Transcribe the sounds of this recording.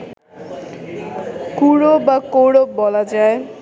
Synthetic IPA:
kuɽobakoɽok̚bɔlad͡ʒae

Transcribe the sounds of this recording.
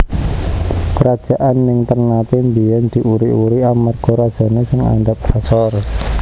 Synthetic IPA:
kəɾad̥ʒ̥a̤ʔanːɪŋt̪ərnat̪imbijɛnd̪̥i̤ʔuɾiʔuɾiamarɡ̥ɔɾad̥ʒ̥a̤nesɪŋa̰ndap̚sasɔr

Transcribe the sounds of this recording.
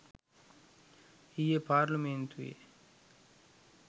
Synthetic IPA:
ijepaːɾlument̪ʰuḛ

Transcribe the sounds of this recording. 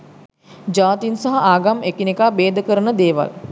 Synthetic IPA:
d͡ʒaːt̪insaɦaʔaːɡamekinekaːbeːd̪əkəɾənəd̪eːʋa̰l

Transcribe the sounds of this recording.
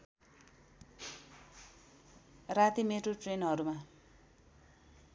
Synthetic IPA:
rat̪imeʈoʈrenɦʌɾuma

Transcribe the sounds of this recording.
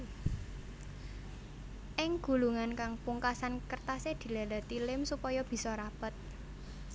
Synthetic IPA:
ʔɪŋɡ̥ṳluŋankaŋpuŋkasankərt̪ased̪̥i̤lala̤t̪ilɪmsupɔjɔb̥i̤sɔɾapət̪̚

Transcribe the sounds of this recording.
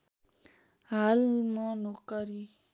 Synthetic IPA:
ɦalmɔ̃nokəɾi

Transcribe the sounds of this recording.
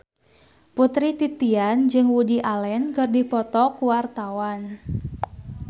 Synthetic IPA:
put̪ɾit̪it̪iand͡ʒɨŋwudiʔalɛnkɨrdipɔt̪ɔkuwart̪awan

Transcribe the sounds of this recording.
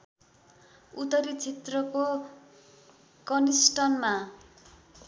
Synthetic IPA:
ut̪ʌɾit͡sʰet̪rʌko | kʌnisʈʌnma

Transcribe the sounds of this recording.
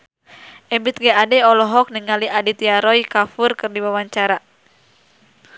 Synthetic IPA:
ʔɛmbit̪̚ɡɛadɛɔlɔɦɔk̚niŋaliʔadit̪iaɾɔjkafurkɨrdiwawaɲt͡ʃaɾa

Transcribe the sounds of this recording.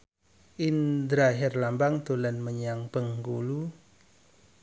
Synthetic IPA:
ʔind̪ɾaɦɛrlambaŋt̪ulanməɲaŋb̥əŋɡulu

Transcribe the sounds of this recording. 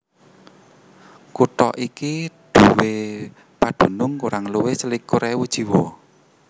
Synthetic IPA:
kuʈɔ̰ʔikiɖ̪̥ṳwe | paɖ̪̥ṳnʊŋkuɾaŋluwesəlikːuɾɛwud̥ʒ̥i̤wɔ

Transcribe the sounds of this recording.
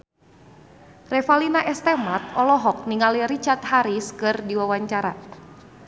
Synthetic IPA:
rɛfalinaʔɛst̪ɛmat̪̚ɔlɔɦɔk̚niŋaliɾit͡ʃart̪haɾiskɨrdiwawaɲt͡ʃaɾa̰

